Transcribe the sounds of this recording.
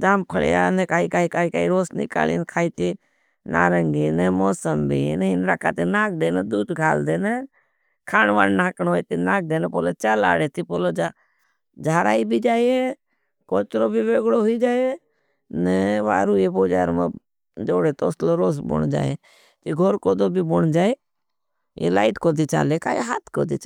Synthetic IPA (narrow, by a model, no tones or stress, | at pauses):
d̪aːmkʰəɭ̰ja̰ːnekaːikaːikaːikaːiɾoːsnɪ̰ka̰ːlḭːnkʰaːit̪i | na̰ːɾəŋɡinemoːsəmbʱinɪnɾakʰa̰ːt̪enaːk̚d̪eːned̪uːd̪kʰaːld̪eːne | kʰaːnʋa̰nnaːknoːit̪inãːk̚d̪eːnepoːlot͡ʃala̰ːɽeːt̪ipoːlod͡ʒa | d͡ʒʱaːɾa̰ːibʱid͡ʒaːie | koːt͡ʃɾoːbʱiʋeːɡɽoɦʊid͡ʒaːee | nɛʋa̰ːɾuːjepoːd͡ʒa̰ːɾmḛ | d͡ʒoːɽet̪oːsloɾoːs̬bʊ̰ɳd͡ʒa̰ːe | t̪iɡʱoɾkoːd̪oːbʱibʊɳd͡ʒaːeː | jḛlaːɪʈkoːd̪it͡ʃa̰ːleka̰ːḛɦaːt̪ʰkoːd̪ḭt͡ʃ